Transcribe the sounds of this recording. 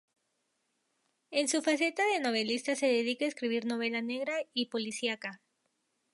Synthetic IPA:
e̞nsufase̞t̪aðe̞no̞β̞e̞list̪ase̞ðeðikaeskɾiβ̞iɾno̞β̞e̞lane̞ɣɾaipo̞lisjaka

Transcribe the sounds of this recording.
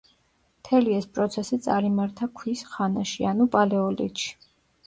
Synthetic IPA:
mt̪ʰɛliɛspʼɾɔt̪sʰɛsit̪sʼaɾimaɾt̪ʰakʰwisχanaʃianupʼalɛɔlḭt̪ʃi̥

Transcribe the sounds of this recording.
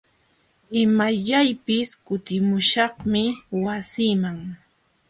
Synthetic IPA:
ɪmaʎajpɪskʊt̪ɪmʊʃɑχmɪwasiːmaŋ

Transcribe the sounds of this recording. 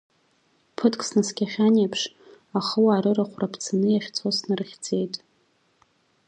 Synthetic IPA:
pʰɨtʰkʼsnɨskʲaχʲanepʰʂ | aχəwaːɾɨraχʷrapʰt͡sʰanɨjaχʲt͡sʰosnɨrχʲd͡zʼe̞jtʼ

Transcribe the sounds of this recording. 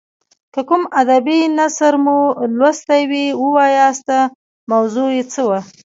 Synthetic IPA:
kəkumad̪abinasəɾmulwast̪awiwəwɑjɑst̪a | mawzujet͡səwa

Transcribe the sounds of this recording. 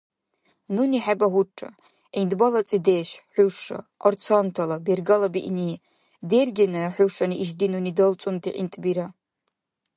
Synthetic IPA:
nuniħabaɦuʈ͡ʂʰʼa̰ | indbalat͡sʼidejʃħʊʂa̰ʔort͡sʰontʰalaberɡalabiʔni | derɡʲinɨħʷuʂaniiʒdinunidolt͡sʼundʰḭʔḭntʼbiɾa

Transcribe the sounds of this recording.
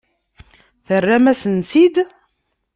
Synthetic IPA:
θərːæmæsənsid̪

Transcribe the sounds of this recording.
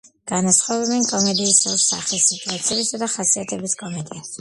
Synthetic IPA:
ɡ̥anasχɔvɛbɛnkʼɔmɛd̪iːsɛsa̰χisːit̪ʼuat̪sʰiɛbisad̪aχasiat̪ʰɛbiskʼɔmɛd̪ias

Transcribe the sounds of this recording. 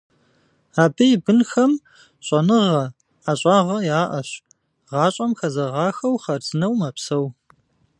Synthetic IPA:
aːbɐjbɨnxɐm | ɕʼɐnɨʁɐ | aɕʼɑːʁɐjaːʔɐɕ | ʁɑːɕʼɐmxɐzɐʁɑːxɐwχɐrzɨnɐwmɐpsɐw

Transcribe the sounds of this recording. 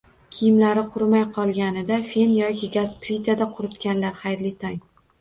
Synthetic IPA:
kʲʰɪjɪmlaɾɪqʰʊɾmajqʰɒlˠɡʲanɪd̪afe̞njɒkʲʰɪɡʲasplit̪ʰad̪aqʰʊɾʊt̪kʲanlaɾχajɾlɪt̪ʰaŋ

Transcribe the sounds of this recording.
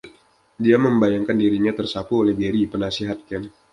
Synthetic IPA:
diaməmbajaŋkandiɾiɲat̪ərsapuolɛhbeɾipənasiɦat̪̚kɛm

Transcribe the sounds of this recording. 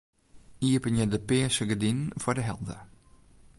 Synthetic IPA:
iəpənjədəpɪəsəɡədinfɔɹdəɦɛ̰lˠdə̰

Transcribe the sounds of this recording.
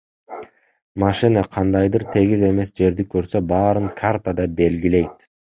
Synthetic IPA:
maʃɨnəqʰɑnd̪ɑjd̪ɯɾt̪ʰe̞ɡize̞me̞sd͡ʒe̞ɾd̪ikøɾsø̞bɑːɾɯŋkʰart̪ad̪ɑbe̞lɡile̞jt̪

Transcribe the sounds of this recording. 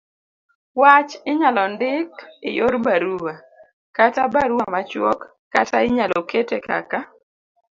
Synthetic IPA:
wat͡ʃɪɲalɔndɪkɪ̰joɾbaɾuwa | katabaɾuwamat͡ʃwɔkː | ataɪɲalɔketeka̰ka

